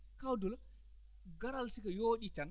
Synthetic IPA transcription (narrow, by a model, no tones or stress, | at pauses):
kawdɔl | ɡaɾalsikajoːɗitan